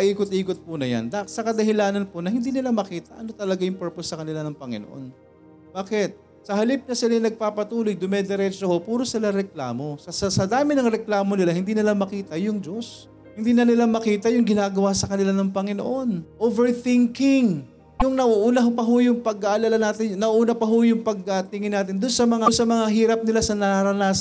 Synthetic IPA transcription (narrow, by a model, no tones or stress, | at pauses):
ɐʔiːkot̪̚ʔiːkot̪̚pʊnɐja̰nd̪aksɐkɐd̪ɐhɪlaːnɐnponɐhɪnd̪iːnɪlamɐkiːt̪ɐʔɐno̞t̪ɐlɐɡajʊŋpɛɹposːɐkɐnɪlanɐŋpɐŋɪnoʔo̞̰n | baːkɪt̪̚ | sɐɦɐlip̚nɐsɪlajnɐɡ̚paːpɐt̪uːlojd̪ʊmɛd̪ɛɾɛt͡ʃohopuːɾosɪlaɾɛkla̰ːmo̞sɐsɐsɐd̪aːmɪnɐŋɾɛklaːmo̞nɪlahɪnd̪iːnɪlamɐkiːt̪ɐjʊŋd͡ʒo̞s | hɪnd̪iːnɐnɪlamɐkiːt̪ɐjʊŋɡɪnaːɡɐwasɐkɐnɪlanɐŋpɐŋɪno̰ʔo̞nʔovɛɹθɪŋkɪŋ | jʊŋnɐʔuʔuːnɐɦpɐɦojʊŋpɐɡ̚aʔɐlaːlɐnaːt̪ɪnnɐʔuːnɐpɐɦojʊŋpɐɡ̚at̪ɪŋɪnːaːt̪ɪnd̪ʊnsɐmɐŋansɐmɐŋaɦiːɾɐp̚nɪlasɐnɐaɾɐnaːs